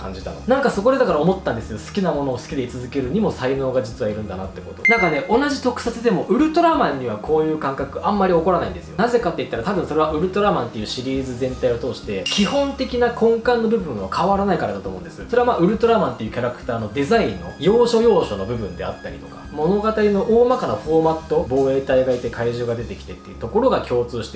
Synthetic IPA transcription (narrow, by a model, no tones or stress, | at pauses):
kʰã̰ɲ̟d͡ʑit̪a̰nonãŋkaso̞ko̞d̪e̞d̪akaɾaomo̞t̪ːãnd̪e̞sɨjo̞sɨ̥kʲinamo̞no̞ːsɨ̥kʲid̪e̞it͡sɨzɨke̞ɾɯ̟ɲ̟imo̞saino̞ːɡad͡ʑit͡sɨβaiɾɯ̟̃nd̪anat̪ːeko̞t̪onãŋkane̞ʔo̞naʑit̪o̞kɯ̟̥sat͡sɨd̪e̞mo̞ʔɯ̟ɾɯ̟t̪o̞ɾamãɲ̟ːiβakʰo̞ːjɯ̟ːkãŋkakɯ̟ʔãmːaɾʲio̞ko̞ɾanaĩnd̪e̞sɨjo̞naze̞kat̪ːe̞it̪ːaɾat̪abɯ̟̃so̞ɾe̞βaʔɯ̟ɾɯ̟t̪o̞ɾamãnt̪ːe̞jɯ̟ːɕiɾʲiːzɨzẽ̞nt̪aio̞t̪o̞ːɕi̥t̪e̞kʲihõ̞nt̪e̞kʲinakʰõ̞ŋkãnːo̞bɯ̟bɯ̟̃ɰ̃βakʰaβaɾanaikaɾa̰d̪at̪omo̞ɯ̟nd̪e̞sɨ̥soɾeamaːɯ̟ɾɯ̟t̪o̞ɾamãnt̪eiɯ̟kʲaɾakɯ̥t̪aːno̞d̪e̞zaĩnːo̞̰jo̞ːɕo̞jo̞ːɕo̞no̞bɯ̟bɯ̟̃nd̪e̞̰a̰t̪ːaɾʲḭt̪o̞̥kḁmo̞no̞ɡat̪aɾʲino̞ʔoːmakanaɸo̞mat̪ːo̞bo̞ːe̞ːt̪aiɡait̪e̞kaiʑoːɡad̪e̞t̪e̞kʲi̥t̪e̞t̪ːeiɯ̟̥t̪o̞ko̞ɾo̞ɡakʲo̞ːt͡sɨːɕi̥t̪e